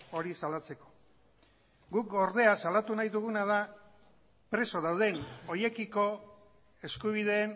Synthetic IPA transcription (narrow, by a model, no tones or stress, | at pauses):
o̞ɾisalat͡se̞ko̞̥ | ɡukɡo̞ɾðe̞asalat̪unajðuɣ̞unað̞a | pɾe̞so̞ðawð̞e̞no̞je̞kiko̞ | e̞skuβ̞ið̞e̞ːn